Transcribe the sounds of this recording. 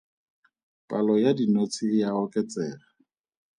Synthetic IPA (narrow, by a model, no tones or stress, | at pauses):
pʼalɔjadinot͡sʰijaɔkʼɛt͡sʼɛːra